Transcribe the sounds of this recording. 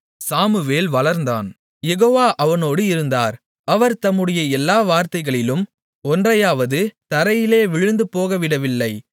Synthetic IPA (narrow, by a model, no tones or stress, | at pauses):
saːmɯʋeːlʋɐlɐɾnd̪a̰ːn | jɛɣoːʋaːʔɐʋɐnoːɽɯɪɾɯnd̪aːɾ | ɐʋɐɾt̪ɐmːɯɽɐjɐɛlːaːʋaːɾt̪ɐɪɣɐɭɪlɯm | ɔndrɐjaːʋɐðɯt̪ɐɾɐjɪleːʋɪɻɯnd̪ɯpoːɣɐʋɪɽɐʋɪlːɐɪ